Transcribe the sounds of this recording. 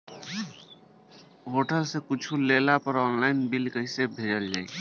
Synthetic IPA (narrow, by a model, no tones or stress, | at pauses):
ɦoːʈəlsẽkʊt͡ʃʰulelapəɾɔːnlaːɪnbilkəisebʱed͡ʒəld͡ʒa̰ːḭ